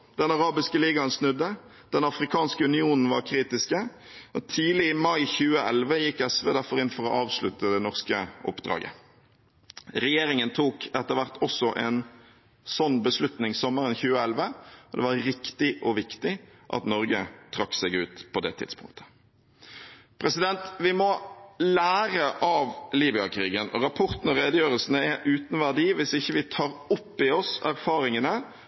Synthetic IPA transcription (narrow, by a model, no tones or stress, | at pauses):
d̪̥ɛnɑʁɑːbɪskəliːɡɑnsnʉd̪ːə | d̪̥ɛnɑfɾɪkʰɑːnskəʉnɪuːnn̩ʋɑ̰ɾkʰɾiːt̪ɪskə | ɔt̪ʰiːlɪɪmɑɪçʉːəʔɛlʋəjɪkːɛsʋeːd̪æɾfɔɾɪnfɔʁɔʔɑːʋslʉ̰t̪əd̪ɛnɔʁskəʔɔ̰pːd̪̥ɾɑ̰ːɡə̰ | ʁɛjeːɾɪŋənt̪ʰuːkɛt̪ːəʁʋæʁt̪ʰɔsːɔʔɛn | sɔnːbəslʉt̪nɪŋsɔmːəʁənçʉːəɛlʋəɔd̪ɛ̰ʋɑɾːɪkt̪ɪʔɔʋɪkt̪ɪʔɑ̰t̪nɔɾɡət̪ʰɾɑkːsɛɡʉːt̪pʰɔd̪ɛ̰t̪ʰɪ̰d̪̥spʰʊ̰ŋkt̪ʰə̥ | pʰɾɛsɪd̪ɛnt̪ʋɪmɔlæːɾəʔɑʋliːbɪɑkʰɾiːɡənɔɾɑpʰɔʁt̪n̩ɔɾeːd̪əjøːʁəlsənəɛʔʉːt̪nʋæɖiːʋɪsɪçːəʋɪt̪ʰɑːɾʊpːɪɔsæɾfɑːɾɪŋənə